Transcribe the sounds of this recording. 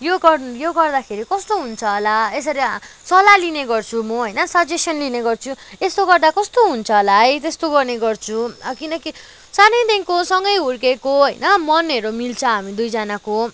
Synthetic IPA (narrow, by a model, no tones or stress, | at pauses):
joɡʌrjoɡʌrd̪akʰeɾikʌst̪oɦunt͡sʰʌlaesʌɾi | sʌlalineɡʌrt͡sʰumʌɦʌjnʌsʌd͡zesʌnlineɡʌrt͡sʰuest̪oɡʌrd̪akʌst̪oɦunt͡sʰʌlajt̪est̪oɡʌrneɡʌrt͡sʰukinʌki | sanʌjd̪eŋkosʌŋɡʌjɦurkekoɦʌjnʌmʌneɾomilt͡sʰʌɦamid̪ujd͡zanako